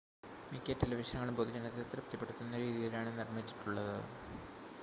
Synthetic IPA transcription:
mikʲːetːelɐʋiʂɐnɐŋːɐɭumpod̪id͡ʑɐnɐt̪ːilt̪rɐpt̪ɐpːe̞ɽut̪ːunːɐɾiːðijilaːɳɨnirmit͡ɕːi̥ʈːuɭːɐðɨ

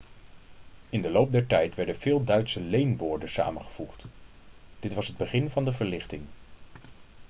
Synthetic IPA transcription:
ɪndəlowp̚dɛɹtɛjtʋɛɹdənv̥ɪːlˠdœɥtsəlejnʋʊːɹdəsa̰ːmənχə̥v̥uχt | d̥ɪtʋɑsɦəd̚bəχɪnvɑndəvəɹlɪχtɪŋ

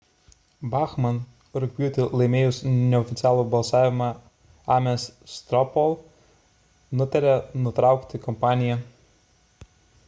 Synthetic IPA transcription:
bɑːxmɐn | ɾʊkʲbʲjuːt̪ʲɪlˠɐɪmʲeːjʊsnʲɛɔfʲɪt̪sʲɪɑːlˠubɐlˠsɑːʋʲɪmɑ | ɑːmʲɛsst̪ɾɔpɔlˠ | nʊt̪ʲɐɾʲɛnʊt̪ɾɑˑʊkʲt̪ʲɪkɔmpɑːnʲɪjɛ

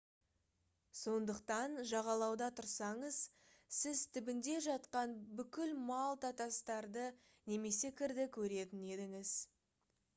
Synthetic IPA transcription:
so̞nd̪əqt̪ɑnʒɑʁɑlˠɑwd̪ɑt̪ʰʊɾsɑɴəz̥ | sɪzt̪ʰɪbɪnd̪e̞ʒɑt̪qɑnbʏkʲɪlmɑlˠt̪ɑt̪ɑst̪ɑɾd̪ə | ne̞me̞se̞kʲʰɪɾd̪ɪkʲʰɵɾe̞t̪ɪne̞d̪ɪŋɪz

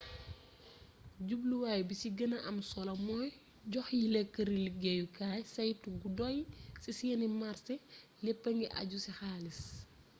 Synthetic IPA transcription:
ɟubluwaːjbisiɡənɐʔɐmsɔlɐmɔj | ɟɔxjilɛkːəɾiliɡɛjukaːjsɐjtuɡudɔjsisijɛnimarsɛ | lɛpːɐŋɡiʔɐ̰ɟusixaːlis

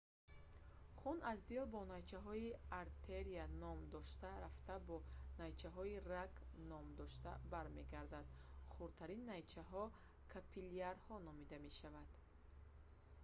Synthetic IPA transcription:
χunazd̪ilbɔnajt͡ʃʰaɦɔiaɾt̪ʰeɾianɔmd̪ɔʃt̪aɾaft̪abɔnajt͡ʃʰaɦɔiraknɔmd̪ɔʃt̪a̰baɾme̞ɡaɾd̪ad̪χuɾt̪ʰaɾinːajt͡ʃʰaɦɔ | kʰapʰiliaɾhɔnɔmid̪ame̞ʃavad̪̥

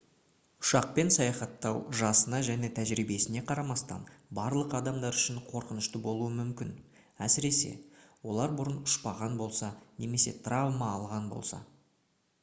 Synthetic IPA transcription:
ʊ̥ʃɑq̚pe̞nsɑjɑχɑt̪ːɑwʒɑsənɑʒæne̞t̪ʰæʒɾibe̞sɪne̞qʰɑɾɑmɑst̪ɑ̰nbɑɾlˠəqɑd̪ɑmd̪ɑɾʏʃɪɴqʰo̞ɾqənəʃt̪əbo̞lˠuəmʏmkʲɪn | æsɪɾe̞se̞̰wo̞lˠɑɾbʊɾənʊʃpɑʁɑnbo̞lˠsɑne̞me̞se̞̰t̪ravmɑːlˠʁɑnbo̞̰lˠsɑ̰

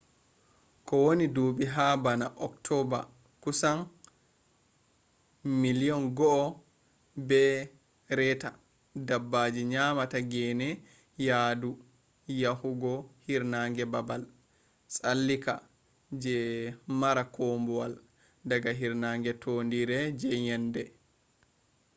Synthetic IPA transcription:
kɔwonidubiɦabanaʔɔktʰɔba̰ | kusan | miliɔnɡɔʔː | bɛ | ɾɛta | dabːaːd͡ʒiɲamataɡɛnɛ | jaːdu | jahuɡɔhiɾnaŋɡɛbabal | sʼalːika̰ | d͡ʒɛmaɾakombɔwal | daɡaɦiɾnaŋɡɛtʰondiɾɛd͡ʒɛjɛndɛ

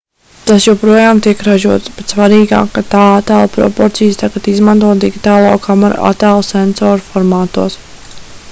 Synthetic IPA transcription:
t̪asjɔwpɾuɔjaːmt̪iɛkɾaʒuɔt̪sbɛt̪svaɾiːɡa̰ːkːat̪aːat̪aːlˠpɾɔ̰pɔɾt̪siːst̪aɡat̪izmant̪uɔːt̪̚d̪iɡit̪aːlˠo̰ːkʰamaɾ̰a̰t̪aːlˠsɛnsɔːɾfɔɾmaːt̪uɔs

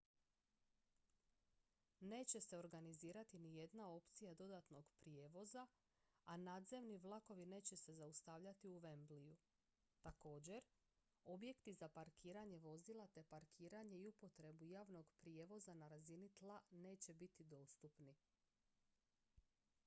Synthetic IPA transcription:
ne̞ːt͡ɕe̞se̞o̞ɾɡaniziːɾat̪inije̞d̪nao̞pt̪sijad̪o̞d̪at̪no̞ɡ̥pɾie̞ːʋo̞za | anad̪ze̞ʋniʋlˠako̞ʋine̞ːt͡ɕe̞se̞zaust̪aʋʎat̪iuʋe̞mbliju | t̪ako̞ːd͡ʑe̞ɾ | o̞bje̞kt̪izapaɾkʰiːɾaɲe̞ʋo̞zilˠat̪e̞paɾkʰiːɾaɲe̞iupo̞t̪ɾe̞bujaːʋno̞ɡpɾijeʋo̞zanaɾazinit̪lˠane̞ːt͡ɕe̞bit̪id̪o̞ːst̪upni

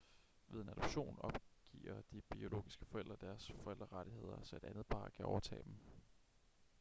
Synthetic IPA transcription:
ʋe̝ðˠe̝næd̥ɔ̽b̥ɕo̝̰ːnɒ̽b̥ɡ̥ḭːɐd̥ib̥io̝lo̝̰ːɡ̥isɡ̥əfɒel̰d̥ʁɐd̥æɐsfɒ̽el̰d̥ʁɐʁɑɾ̥ihe̝ð̰ˠɐsɒ̽e̝ɾ̥ænð̞̩ˠpʰɑ̰̈ːkʰæʔɒʊɐt͡sʰɛ̰ːd̥em̩

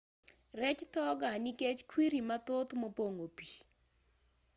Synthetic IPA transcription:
ɾɛt͡ʃtɔɡaniket͡ʃkwiɾimat̪ot̪mopoŋopi

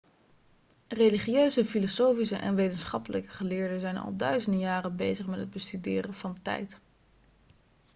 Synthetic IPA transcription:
reliχiøɥzəfilosowfisəʔɛ̰nʋejtənsχɑpələkəχəlɪːɹdəzɛjnɑ̰lˠdœɥzəndəjaːrəbejzəχmɛtɦəd̚bəstydɪːrənvɑntɛ̰jt

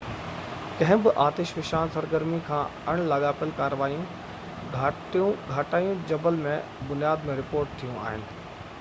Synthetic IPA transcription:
kɐ̃ɦɪ̃bɪʔaːt̪eːʃʋɪʃaːnsɐɾɡəɾmikʰãːɐɽ̃laɠaːpəlkaːɾəʋaːijũ | ɡʱaːʈijũɡʱaːʈaːijũd͡ʑɐbəlmẽbʊnjaːd̪mẽɾɪpoːɾʈ̚t̪ʰijũa̰ːɦɪnɪ̆

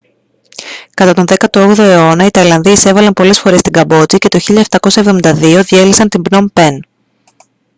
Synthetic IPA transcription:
kɐt̪ɐt̪o̞nðe̞kɐt̪ooɣðoe̞o̞nɐit̪ɐilɐnðiise̞vɐlɐnpo̞le̞sfo̞ɾe̞st̪iŋɡɐbo̞t͡sice̞t̪o̞çiʎɐft̪ɐko̞sɐevðo̞mind̪ɐðio̞ðie̞lisɐnt̪imbno̞mpe̞n

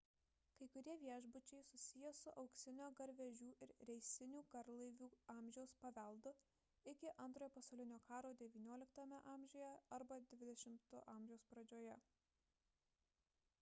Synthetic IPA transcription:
kɐɪkʊɾʲiɛʋʲiɛʒbʊt͡ʃʲɛɪsʊsʲɪjɛsʊʔɒʊksʲɪnʲoːɡɐɾʲʋʲɛʒʲuːʔɪɾɾʲɛɪsʲɪnʲuːkɐɾlˠɐɪʋʲuːɑːmʲʒʲɛʊspɐʋʲɛˑlˠd̪ʊ | ɪkʲɪʔɐnt̪ɾoːjɛpɐsɐʊlʲɪnʲoːkɑːɾoːd̪ʲɛʋʲiːnʲuɔlʲɪkt̪ɐmʲɛʔɑːmʲʒʲoːjɛɐɾbɐd̪ʲʋʲɪd̪ʲɛʃʲɪmt̪ʊʔɑːˑmʲʒʲɛʊspɾɐd͡ʒʲoːjɛ

